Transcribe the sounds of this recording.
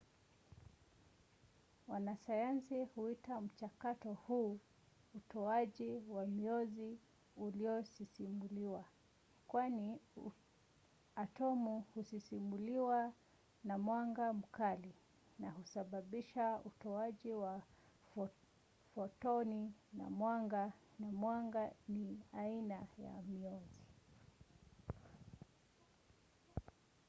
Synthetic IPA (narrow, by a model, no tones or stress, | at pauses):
wanasajansihuitam̩t͡ʃakatɔhuː | utɔaʄiwamiɔzi | uliɔsisimuliwa | kwani | atɔmuhusisimuliwa | namwaŋɡam̩kali | nahusaɓaɓiʃautɔaʄiwa | fɔtɔnina̰mwaŋɡa | namwaŋɡaniainaja̰miɔzi